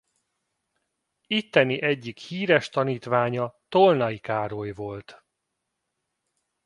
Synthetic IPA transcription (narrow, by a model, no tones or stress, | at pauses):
it̪ːɛniʔɛɟːikhiːɾɛʃt̪ɒniːt̪ʋaːɲɒt̪o̞lnɒikaːɾojvo̞lt̪